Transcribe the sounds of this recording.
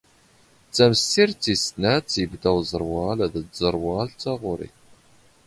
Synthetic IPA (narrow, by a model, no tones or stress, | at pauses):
t͡sːæməsiɾt͡sːisnæt͡sːjəbd̪æwzˤəɾˤwɑlðəzəɾˤwɑlt͡sːɑʁʊɾḭ